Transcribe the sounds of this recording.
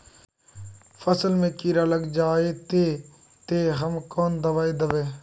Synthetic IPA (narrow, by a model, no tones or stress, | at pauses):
fəsəlmẽːkiːɾaːləɡd͡ʒaːeːt̪eː | t̪eːɦəmkoːnd̪əʋaːeːd̪əʋeː